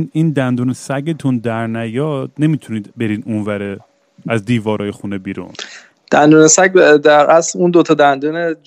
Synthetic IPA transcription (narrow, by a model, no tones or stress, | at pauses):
niːnd̪ænd̪uːnesæɡet̪ʰund̪æɾnæjɒːd̪̥ne̞mit̪ʰuniːd̪be̞ɾiːd̪unvæɾe | æzd̪iːvɒːɾʔɒːjexunebiːɾṵn | d̪̥ænd̪uːnesæɡd̪æɾʔæsluːnd̪ot̪ʰɒːd̪ænd̪uːned͡ʒ